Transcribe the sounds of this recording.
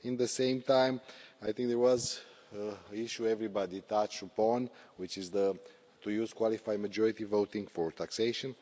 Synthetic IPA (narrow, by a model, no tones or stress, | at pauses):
ĩnðəsẽɪ̃mt̪ãj̃majθɪ̃ŋk̚d̪əɹwɔz | əiʃuɛvɹibad̪it̪at͡ʃtəpɔ̃nwit͡ʃizðə | t̪ujuz̥kwalifajməd͡ʒɔɹit̪ivoʊt̪ĩŋɡfɔɹt̪ʰakseʃə̃n